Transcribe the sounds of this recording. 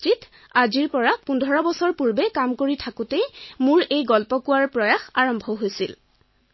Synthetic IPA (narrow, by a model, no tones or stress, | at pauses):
t͡ʃit | aziɹpɔɹapundʱɔɹɔbɔsɔɹpuɹbɛkamkoɹitʰakutemuɹejɡɔlpɔkʊwaɹpɹɔjaxaɹɔmbʱɔɦojsil